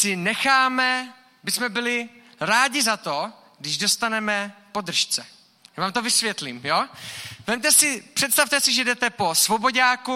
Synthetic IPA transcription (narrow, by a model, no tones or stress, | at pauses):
sɪnɛxaːmɛ | bɪsmɛbɪlɪɾaːɟɪzat̪o̞ | ɡdɪʒdo̞st̪anɛmɛpo̞d̪r̩ʃt͡sɛ | jaːvaːmt̪ovɪsvjɛt̪liːmjoːvɛmt̪ɛsɪpr̝̥ɛt̪st̪aft̪ɛsɪʒɛdɛt̪ɛpo̞svo̞bo̞ɟaːku